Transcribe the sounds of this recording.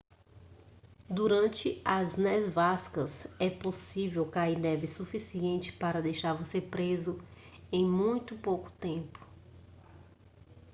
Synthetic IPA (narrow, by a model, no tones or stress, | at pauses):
d̪uɾɐ̃nt͡ʃɪɐznɛzvaskɐsɛposivewkaiɾnɛvɪsufisiẽnt͡ʃɪ̥paɾɐd̪ejʃaɾvoseɾpɾezʊ | ẽj̃mũj̃t̪ʊpowkʊ̥t̪ẽpʊ̥